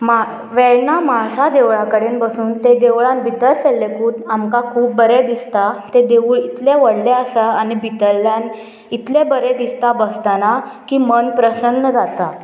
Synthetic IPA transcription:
ma | ʋɛɭɳamasad̪eʋɭãkəɽenbəsuːnt̪ed̪eʋɭãnbʱit̪əlselːekuːnamkakʰuːp̚bəɾɛd̪ist̪at̪ẽd̪eʋuːɭit̪lẽʋəɽleəsəanibʱit̪əlːjan | it̪lebəɾed̪ist̪abəst̪anakiːmənpɾəsənːəd͡zat̪a

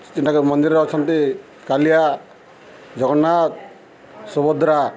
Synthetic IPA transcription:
tinʈakumɔnd̪iɾɔɔt͡ʃʰɔnt̪i | kalija | d͡ʒɔɡɔnːat̪̚ | sɔbɔd̪ɾa

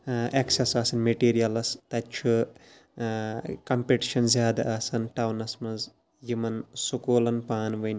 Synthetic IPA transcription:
eksɐsaːsɐnmeʈiːɾijɐlɐst̪ɐt͡ʃʰu | kɐmpeʈi̥ʃɐnzʲjaːd̪ɐʔɐːsɐnʈɐwnɐsmɐz | jimɐnsukoːlɐnpaːnʋɐnʲ

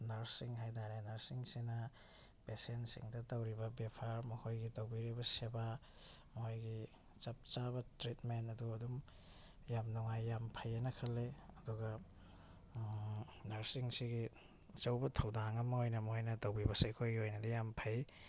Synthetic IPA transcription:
nɐɾsiŋɦajdaɾenɐɾsiŋsinɐ | pesentsḭŋdɐtɐwɾibɐbepʰaɾmɐhojɡitowbiɾibɐseba | mojɡi | t͡ʃɐp̚t͡ʃabɐtɾitmenɐduɐdum | jamnɔŋajːampʰɐjenɐkʰɐlːeɐduɡɐ | nɐɾsiŋsiɡi | t͡ʃɐwbɐtʰɐwdaŋɐmɐojnɐmhojnɐtɐwbibɐsejkʰojɡiojnɐdijampʰaj

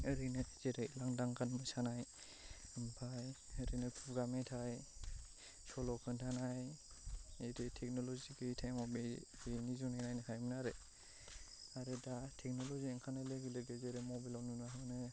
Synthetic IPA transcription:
ɯɾinɯz̥eɾɯlaŋdaŋkanmɯsanaj | ɯmpʰaj | əɾinɯkʰuɡametʰaj | sɔlɔkʰɯntʰanaj | eɾetʰek̚nɔlɔziɡʰɯtʰajmɔbbenizunajnajnɯkʰajminaɾe | aɾɯdatʰek̚nɔlɔzieŋkʰanaleɡɯleɡezeɾemɔbilawnunaɦɯnɯ

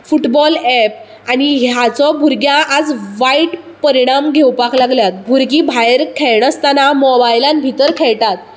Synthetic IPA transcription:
fuʈbɔlɛp̚ | aniɦjat͡sɔbʱuɾɡjãʔad͡zʋaiʈ | pəɾiɽ̃amɡʱewpaklaɡljat̪̚bʱuɾɡibʱajɾkʰɛɭɳəst̪anamɔbajlanbʱit̪əɾkʰɛɭʈat̪̚

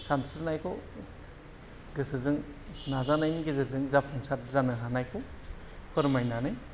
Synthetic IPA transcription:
sansɯɾnajkʰɔ | ɡɯsɯzɯŋ | nazanajniɡɯzɯzɯŋzapʰuŋsatzanɯɦanajkʰɔ | pʰɯɾmajnanɯj

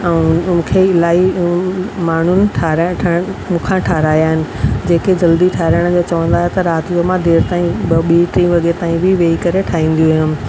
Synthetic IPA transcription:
ɛ̃mũːkʰeɪlaːi | maːɳ̤ʊnɪ̆ʈʰaɾʈʰmũːkʰãʈʰaːɦɾaːjaːɦɪnɪ̆d͡ʑeːked͡ʑɐld̪iʈʰaːɾəɽ̃d͡ʑoːt͡ɕɐʋə̃nd̪aːɦet̪ɐɾaːt̪ɪd͡ʑomãd̪eːɾt̪aːĩɓiʈɾĩʋɐɠet̪aːĩbɪʋeːikɐɾeʈʰaːɦĩːn̆d̪ijujʊmɪ̆

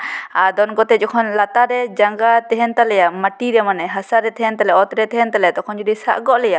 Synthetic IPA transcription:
ad̪ɔnkɔt̪ɛd͡ʒɔkʰɔnlat̪aɾɛd͡ʒaŋɡat̪ɛɦɛnt̪alɛjamaʈiɾɛmanɛɦasaɾɛt̪ɛɦɛnt̪alɛɔt̪ɾɛt̪ɛɦɛnt̪alɛjat̪ɔkʰɔnd͡ʒud̪isa̰ʔɡɔʔlɛja

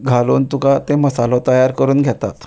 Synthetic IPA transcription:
ɡʱaloːnt̪ukat̪eməsalɔt̪əjaɾkəɾuːnɡʱjat̪a̰t̪

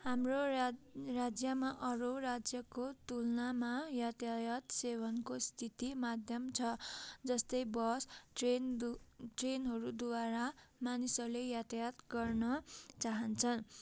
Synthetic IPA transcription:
hamro | rad͡zjʌmaʔʌɾorad͡zjʌkot̪ulnamajat̪jajʌt̪sebʌnkost̪ʰit̪imad̪ʱjʌmt͡sʰʌd͡zʌst̪ʌjbʌs | ʈrenɦʌɾud̪waɾamanisʌrlejat̪ajat̪ɡʌrnʌt͡saɦʌnt͡sʰʌn

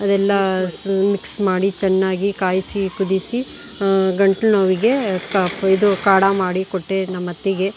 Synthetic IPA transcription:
ɐd̪ɛlːɐmiksmaːɽit͡ʃɛnːaːɡikaːjsikud̪isi | ɡɐɳʈlnoːʋiɡe̞kɐpid̪ukaːɽamaːɽikoʈːenɐmːɐt̪ːiɡe

